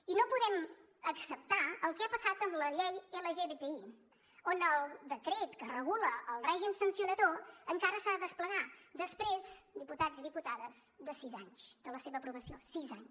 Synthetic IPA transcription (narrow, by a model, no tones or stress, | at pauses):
inopuðɛm | əksəp̚t̪aəlˠkɛapəsat̪əmləʎejeləʒeβepei | onəlˠd̪əkɾet̪kərəɣuləːlˠrɛʒimsənsiunəðoəŋkaɾəsaðəðəspləɣad̪əspɾezd̪iput̪aziðiput̪aðəzd̪əsizaɲsd̪̥ələseβəpɾuβəsiosizaɲs